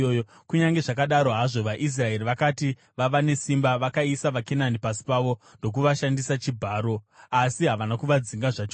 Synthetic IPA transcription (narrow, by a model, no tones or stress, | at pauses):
oo | kuɲaŋɡe̞ʐakaɗaɾo̞ɦaʐo̞ʋaʔis̬rae̞riʋakati | ʋaʋane̞simbaʋakaisaʋakenanipasi̥paʋo̞ndo̞k̬uʋaʃandisat͡ʃibʱaːɾo̞asiɦaʋanakuʋad͡ziŋɡaʐat͡ʃo